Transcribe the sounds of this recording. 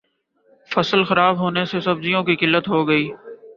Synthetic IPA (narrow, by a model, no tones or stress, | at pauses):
fɐsəlxɐɾaːbɦoːnesesɐbzijõkikɪlːət̪ɦoɡɐiː